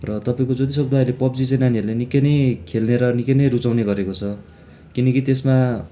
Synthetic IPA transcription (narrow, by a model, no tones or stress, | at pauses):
rʌt̪ʌpaĩkod͡zʌt̪isʌk̚d̪ʱaʌɾlepʌpd͡zit͡sẽnaniʌɾulanikːʌnʌjkʰelneɾʌnikʌnʌjɾut͡sawneɡʌɾekot͡sʰʌ | kinʌkit̪esma